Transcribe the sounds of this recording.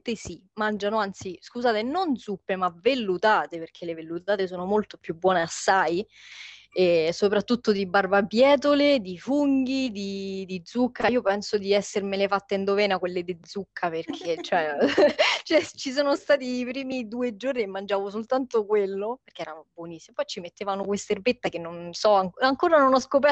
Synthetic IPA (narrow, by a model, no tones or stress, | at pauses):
t̪esimand͡ʒanoant̪siskuzaːt̪enond̪zupːemavelːut̪aːt̪eperk̟ʰelevelːut̪aːt̪es̬oːnomolt̪o̥pjubwɔːneasːaj | esopɾat̪ːut̪ːod̪ibarbapjɛːt̪̬oled̪ifuŋɡ̟id̪id̪id̪zːukːaiːopɛnsod̪iɛsːermelefat̪ːeind̪ovɛːnakwelːed̪ed̪zːukʰːaperk̟ʰet͡ʃːoɛ | t͡ʃɛt͡ʃis̬oːnost̪aːt̪iːpɾiːmid̪uːed͡ʒorniemːand͡ʒaːvos̬olt̪ant̪okwelːoperk̟eɛːɾabwonisːimopɔjt͡ʃimet̪ːeːvanokwest̪erbet̪ːakenːonsɔaŋaŋkoːɾanonɔskop̬ɛ